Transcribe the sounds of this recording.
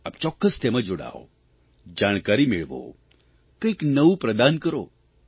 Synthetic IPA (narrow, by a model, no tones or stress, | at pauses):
apt͡ʃɔkːəst̪emãd͡ʒoɽa̰o̰ | d͡ʒaɽ̃kaɾimeɭʋo̰ | kəiknəʋũpɾəd̪ankəɾo̰